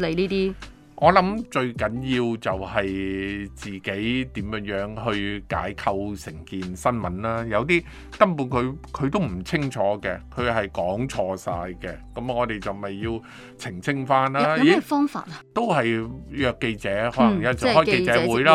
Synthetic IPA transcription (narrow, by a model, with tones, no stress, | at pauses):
le˨˧niː˥t̪iː˥ | ʔɔː˨˧lɐ˨˥mt͡ʃɵ˧ɥkɐ˨˥njiː˧wt͡sɐ˨whɐ˨jt͡siː˨ke˨˥jt̪iː˨˥mjœː˨˧˥ŋjœː˨˥ŋɦɵ˧ɥka̰ː˨˥jkʰɐ˧wsɪ˨˩ŋkiː˨nsɐ˥nmɐ˨˦nlaː˥jɐ˨˧wt̪̬iː˥ | kɐ˥mpuː˧nkʰɵ˨˧ɥkʰɵ˨˧t̪o˥wm̩˨˩t͡sʰɪ˥ŋt͡ʃʰɔː˨˥kɛ̰˧kʰɵ˨˧ɥɦɐ˨jkɔː˨˥ŋt͡sʰɔː˧sa̰ː˧jkɛ˧kɐ˨˥mŋɔː˨˧t̪e˨jt͡sɐ˨wmɐ˨jːiː˧w | t͡sʰɪ˨˩ŋt͡sʰɪ˥ŋfaː˥nlaː˥iː˨fɔː˥ŋfa̰ː˧t̚ɐt̪o˥wɦɐ˨jjœː˨˧kːe˧jt͡sɛː˨˥hɔː˨˥lɐ˨˩ŋja˧˥t͡sɐ˨hɔː˥jke˧t͡sɛː˨˧˥wuː˨˥jlaː˥